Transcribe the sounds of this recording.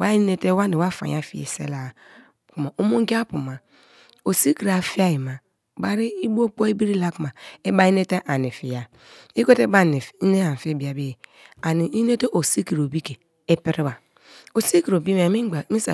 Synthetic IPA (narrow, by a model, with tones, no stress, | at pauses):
wa˦i˦ne˦te˦wa˦ni˨wa˦fa̰˨j̰a˦fḭ˦ḛ˨sḛ˦la˨ | ku˨ma˨o˦mo˦ŋ˦ɡi˦a˦pu˨ma˨ | o˨si˦ki˨ɾa˨fi˦a˦ji˨ma˨ | ba˦ɾi˦i˦bo˦k͡po˦i˦bi˦ɾi˦la˦ku˦ma˨e˦ba˦i˦ne˦te˦ʔa˨ni˨fi˨ja˨ | i˦ko˦te˦ba˦˨ne˨fi˦ne˦a˨fe˦bi˨a˨be˦˨a˨ni˨i˦ne˦te˦ʔo˨si˦ki˨ɾo˨bi˦ke˨ | e˦pi˦ɾi˦ba˨ | o˨si˦ki˨ɾo˨bi˦m˨mi˦ɡ͡ba˨˦mi˦sa̰˨